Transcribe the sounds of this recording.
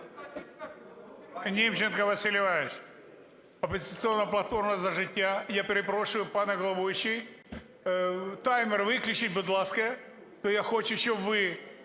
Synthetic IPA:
nʲemt͡ɕɪnkəvɐsʲɪlʲɪvajɪʂ | ɐpɪzʲɪt̪sɨo̞nːɐjəplˠɐt̪fo̞rmɐzɐʐɨtʲjajapʲɪɾʲɪpɾoʂɨjʊpanɐɡɐlˠɐbovʲɪɕɪj | t̪ajmʲɪrvɨklʲʊt͡ɕɪt̚ʲbʊd̪lˠaskəjə | t̪ojaxot͡ɕʊjɪɕovɨ

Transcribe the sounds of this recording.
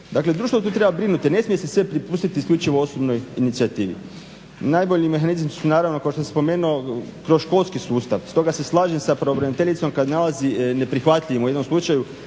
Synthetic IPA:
d̪akle̞d̪ɾuːʃt̪vot̪uːt̪ɾe̞babɾinut̪ine̞smijesesʋepɾipuːst̪it̪iskʎʲut͡ʃiʋo̞o̞sobno̞jinit̪siat̪iːʋḭ | najbo̞ʎime̞xanizmisunaːɾaʋnokaoʃt̪osespo̞me̞ːnuokɾo̞sʃko̞lˠskisuːst̪aʋst̪o̞ɡase̞slˠaːʒemsapɾeobɾenit̪eʎit̪so̞mkad̪nalazine̞pɾixʋat̪ʎʲiʋimujed̪nomslˠut͡ʃaju

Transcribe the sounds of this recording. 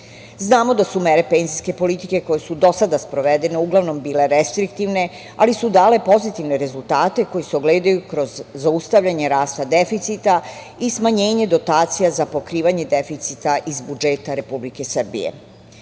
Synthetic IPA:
znaːmo̞d̪asumeɾe̞pe̞nziske̞po̞lit̪ike̞ko̞jesud̪o̞sad̪aspɾo̞ʋed̪e̞ne̞uɡlˠaʋno̞mbiːle̞ɾest̪ɾikt̪iʋne̞ | a̰lisud̪aːle̞po̞zit̪iʋne̞ɾe̞zulˠt̪aːt̪e̞ko̞jiseo̞ɡleːd̪ajukɾo̞zːaust̪aʋʎaɲe̞ɾaːst̪ad̪e̞fit̪sit̪a | ismaɲeːɲe̞d̪o̞t̪aːt̪sijazapo̞kɾiːʋaɲe̞d̪efit̪sit̪aʔizbud͡ʒe̞ːt̪aɾe̞publike̞sr̩bḭjḛ

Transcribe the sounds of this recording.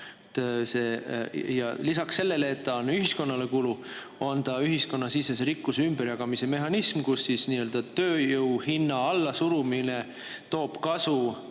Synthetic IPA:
t̪seːjɑ̰lisɑkse̞lːe̞leːt̪ːɑnyɦisko̞nːɑle̞kulu | o̞nt̪ɑyɦisko̞nːɑsiseseɾikːˑusymbeɾjɑɡ̥ɑmise̞me̞ɦɑnismkusːisniøld̪ɑt̪ø̞ːjɤwhinːɑɑlːɑsuɾumine | t̪o̞ːb̥kɑsu

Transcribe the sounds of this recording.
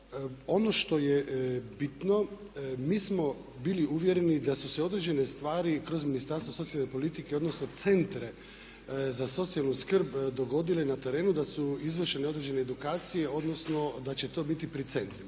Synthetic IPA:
o̞no̞ʃt̪o̞jebit̪no̞ | miːsmo̞ | biliuʋje̞ɾe̞nid̪asuseo̞d̪ɾed͡ʑe̞ne̞st̪ʋaːɾikɾo̞zminist̪aɾst̪ʋoso̞t̪ialnepo̞lit̪ikeo̞d̪no̞snot̪se̞nt̪ɾe̞ | zaso̞t̪sijalnuskr̩bd̪o̞ɡo̞d̪ilenat̪e̞ɾe̞ːnud̪asuizʋr̩ʃeneo̞d̪ɾe̞d͡ʒe̞ne̞ːd̪ukaːt̪sije̞o̞d̪no̞sno̞d̪at͡ɕe̞t̪o̞ːbit̪ipɾit̪se̞nt̪ɾima

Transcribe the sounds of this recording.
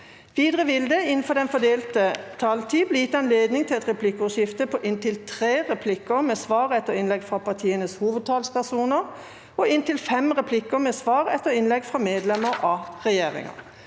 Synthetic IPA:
ʋiːd̪ʁəʋɪld̪əɪnn̩fɔʁd̪ɛnfɔd̪eːlt̪ət̪ʰɑlt̪ʰiːblɛjɪt̪ːəɑnleːd̪nɪŋt̪ɪlɛt̪ʁɛpʰlɪkːəʊʃjɪft̪əpʰɔʔɪnt̪ɪlt̪ʰʁeːʁɛpʰlɪkːəmɛːsʋɑːʁɛt̪ːəʁɪnlɛɡfʁɑpɑʁt̪ʰiːənəshuːʋəd̪̚t̪ʰɑːlspæʁsuːnəʁ | ɔɪnt̪ɪlfɛmʁɛpʰlɪkːəmɛːsʋɑːʁɛt̪ːəʁɪnlɛɡfʁɑmeːd̪lɛməʁɑʁɛjeːʁɪ̰ŋə̰

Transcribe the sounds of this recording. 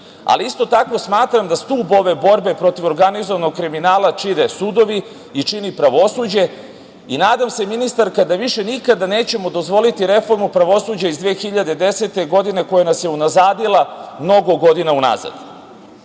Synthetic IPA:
a̰liist̪o̞t̪ako̞smaːt̪ɾamd̪ast̪uːbo̞ʋe̞bo̞ɾbe̞pɾo̞t̪iʋo̞ɾɡanizoʋanoɡkɾiminaːlˠat͡ʃiɾesuːd̪o̞ʋi | it͡ʂinipɾaʋo̞suːd͡ʑe̞ | inaːd̪amse̞minist̪aɾkad̪aʋiʃe̞nikad̪aneːt͡ɕe̞mo̞d̪o̞zʋo̞lit̪iɾe̞fo̞ɾmupɾaʋo̞suːd͡ʑaizd̪ʋeːxiʎad̪e̞d̪e̞set̪e̞ɡo̞d̪ine̞ko̞jenasjeunazaːd̪ilˠamno̞ɡo̞ɡo̞d̪inauna̰za̰d̪

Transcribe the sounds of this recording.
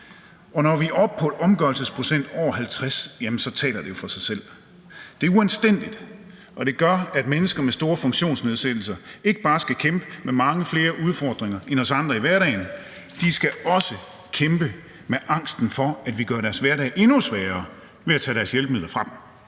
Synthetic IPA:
ʔɒ̽nɒʋiʔɒb̥̚pʰɒ̽ʔɒ̽mɡ̥ɶɐlsəspʰʁo̝sen̰d̥ɒ̰ːhælt͡sʰʁasjæmənsɒ̽t͡sʰɛ̰ːlɐd̥e̝jo̝fɒ̽sɑ̈ɪsel̰ | d̥e̝æɐuænsd̥en̰d̥id̥ | ʔɒ̽ɾ̥e̝ɡ̥ɶɐæd̥menəsɡ̥ɐmesd̥o̝ːɐfɔ̽ŋɕo̝̰ːnsne̝ð̞ˠsed̥l̩sɐe̝ɡ̥əb̥ɑ̈ːsɡ̥ækʰemb̥əmemɑ̈ŋəfle̝ːɐʔuðˠfɒːd̥ʁeŋɐʔenɒ̽sɑ̈nd̥ʁɐiʋæɐɾɛ̰ɪn | d̥isɡ̥æɒ̽sə | kʰemb̥ə | meʔɑ̈ŋ̰sd̥n̩fɒ̽æd̥ʋiɡ̥ɶɐɾæɐsʋæɐɾɛ̰ːʔe̝nusʋɛːɐː | ʋe̝æt͡sʰɛ̰ːɾæɐsjelb̥meðˠlɐfʁɑ̈d̥m̩

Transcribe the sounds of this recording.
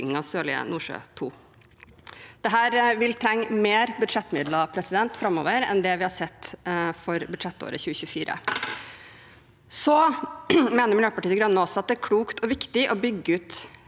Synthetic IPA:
ɪŋːɑsøːlɪə̰nuːʂø̰ːt̪ʰṵː | d̪̥ɛɦæːɾʋɪlt̪ʰɾɛŋːmeːɾbʉd̪ʂɛt̪ːmɪd̪lɑpʰɾɛsɪd̪ɛnt̪fɾɑmːo̰ːʋəɾɛ̰nd̪ɛʋɪhɑsɛt̪ːfɔɾbʉd̪ʂɛt̪ːo̰ːɾəçʉːəçʉfiːɾə̰ | sɔ | meːnəɾmɪljøːpɑʈiːəɡɾœnːəɔsɔɑt̪̚d̪ɛæɾkʰluːkt̪ʰɔʋɪkt̪ɪʔɔbʏɡːəʉːt̪

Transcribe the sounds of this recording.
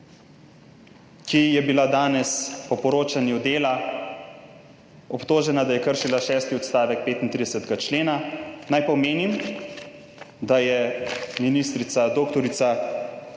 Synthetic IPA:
kijɛbilad̪aːnɛspɔpɔɾoːt͡ʃanjud̪eːla | ɔpt̪oːʒɛnad̪ajɛkəɾʃilaʃɛːst̪iɔt̪st̪aːʋɛk̚peːt̪int̪ɾid̪ɛsɛt̪ɡat͡ʃleːnanajpɔmeːnim | d̪ajɛminist̪ɾit̪sad̪oːkt̪ɔɾit̪sa

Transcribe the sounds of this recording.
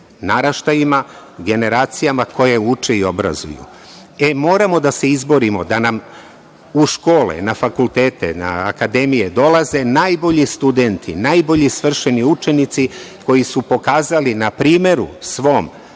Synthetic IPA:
naɾaʃt̪ajima | ɡe̞ne̞ɾaːt̪sijamakʰo̞je̞ut͡ʃe̞io̞bɾa̰zṵjṵ | e̞mo̞ːɾamo̞d̪ase̞izbo̞ɾimo̞d̪anam | uʃko̞ːlḛnafakulˠt̪eːt̪ḛna̰ːkad̪e̞mijed̪o̞lˠaze̞najbo̞ʎist̪ud̪e̞nt̪ʰḭnaːjbo̞ʎisʋr̩ʃe̞niut͡ʃe̞nit̪siko̞jisupo̞kaːzalinapɾiːme̞ɾṵsʋo̞ːm

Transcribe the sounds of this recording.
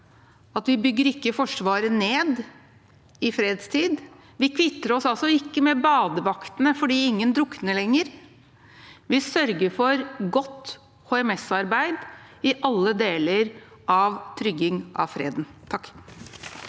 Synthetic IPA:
ɑt̪ʋɪbʏɡːəɾɪkːəfɔʂʋɑːɾəneːd̪ | ɪfɾeːd̪st̪ʰiːd̪ | ʋɪkʰʋɪt̪ːəɾɔsɑlsɔɪkːəmɛbɑːd̪əʋɑkt̪nəfɔɖiːɪŋːənd̪ɾʊknəlɛŋːəɾ | ʋɪsœɾɡəɾfɔɾɡɔt̪ː | hoːɛmɛsɑɾbæɪd̪ɪʔɑlːəd̪eːləɾʔɑʋt̪ʰɾʏɡɪŋʔɑ̰ʋfɾḛːd̪n̩t̪ʰɑkː

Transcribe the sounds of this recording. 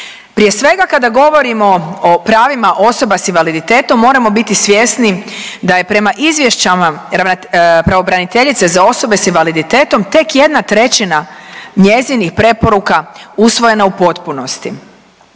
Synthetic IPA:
pɾije̞sʋe̞ɡakad̪aɡo̞ʋo̞ɾimo̞opɾaːʋimaʔo̞so̞basinʋalid̪it̪e̞ːt̪o̞mːo̞ːɾamo̞bit̪isʋje̞snid̪aje̞pɾemaʔizʋje̞ʃt͡ɕamaɾaʋnapɾaʋo̞bɾanit̪e̞ʎit̪se̞zao̞so̞be̞sinʋalid̪it̪e̞ːt̪o̞mt̪e̞kje̞d̪nat̪ɾe̞t͡ɕinaɲe̞zinixpɾe̞po̞ɾukausʋo̞je̞naupo̞t̪puno̞st̪i

